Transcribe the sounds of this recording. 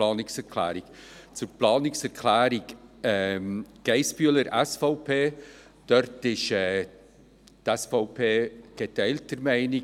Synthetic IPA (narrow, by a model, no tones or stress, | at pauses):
ɑːnɪksɛɾkʰlæ̰ːɾɪɡt͡sʊɾplɑːnɪksɛɾkʰlæːɾɪɡɛmɡ̥ɛɪsb̥yələɾʔɛsfɔʊpʰeː | d̥œɾtɪʃɛ | tɛsfɔʊpʰeːɡ̥etɛɪltəɾmæɪnɪ